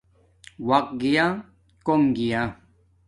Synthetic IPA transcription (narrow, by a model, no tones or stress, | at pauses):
wɐq̚ɡija | koŋɡija